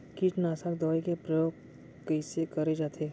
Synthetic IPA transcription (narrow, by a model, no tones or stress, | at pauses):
kiːʈnaːsakd̪ɔːjkepɾɐjoːɡ̚ | kəɪsekɐɾed͡ʒaːt̪ʰeː